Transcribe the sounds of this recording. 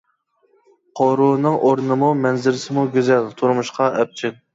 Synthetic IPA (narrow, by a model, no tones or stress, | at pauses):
qʰoɾunɨŋʔoɾnɨmumɛnzɪɾɪsɪmuɡʲyzɛlt̪ʰuɾmuʃqɑʔɛp̚t͡ʃʰil